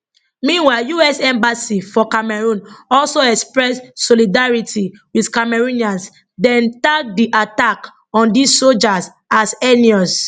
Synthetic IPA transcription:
mĩnwaɪjuɛsɛ̃mbasifɔkamɛɹũnɔlsoɛkspɹɛsːɔlidaɹitʰiwiθkamɛɹũniãns | dɛ̃ntak̚diʔatak | ɔ̃ndissold͡ʒas | asɛniɔs

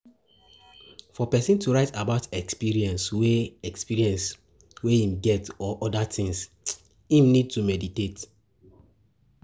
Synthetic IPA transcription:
fɔpɛsĩntʰuɹaɪtabaʊtɛkspiɹiɛ̃nsweɛkspiɹiɛ̃ns | weĩmɡɛtɔʔɔdatʰĩŋs | ĩmnid̚tumɛditet

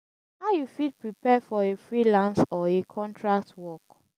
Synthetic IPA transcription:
haʊjufit̚pɹipɛfɔefɹilãnsɔekʰɔ̃ntʰɹak̚twɔk

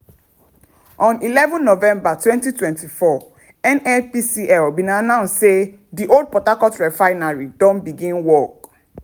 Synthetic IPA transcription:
ʔɔ̃nilɛvɔ̃nːovɛ̃mbatwɛ̃ntitwɛ̃ntifɔ | ɛ̃nɛpisiʔɛlbinanãʊ̃nsse | diʔold̚pɔtakɔtɹɛfaɪnaɹidɔ̃nbiɡĩnwɔk̚

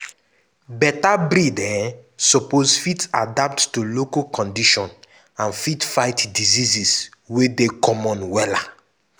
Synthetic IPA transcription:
bɛtabɾidɛ̃sɔpozfitadap̚tːulokakɔ̃ndiʃɔ̃n | ãnfitfaɪtdiziziswedekɔmɔ̃nwɛla

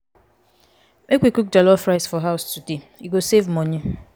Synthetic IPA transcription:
mʔekwikuk̚d͡ʒɔlɔfɹaɪsfɔɦaʊstude | jiɡosevmɔ̃nĩ

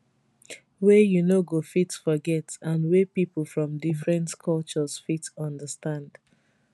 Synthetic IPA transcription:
wɛjunoɡofitfɔɡɛtãnwɛpipl̩ˠfɹɔ̃mdifɹɛ̃ntkʰɔlt͡ʃəsfitɔ̃ndəstãnd̥

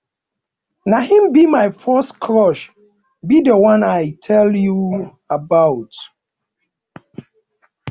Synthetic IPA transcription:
nahĩmbimajfɜstkʰɹɔʃ | bidəwãnajtʰɛlju | abawt

